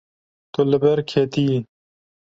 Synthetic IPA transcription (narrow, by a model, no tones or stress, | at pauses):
t̪olɐbeɾkʰeːt̪iː